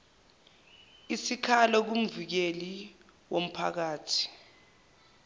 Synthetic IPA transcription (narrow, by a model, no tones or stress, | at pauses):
isikʰalɔk̬um̩vik̬eliwom̩pʰa̰k̬aːtʰi̥